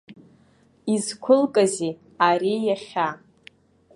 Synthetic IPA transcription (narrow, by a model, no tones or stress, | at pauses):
izkʷʰʊlkʼazi | aɾijaχʲa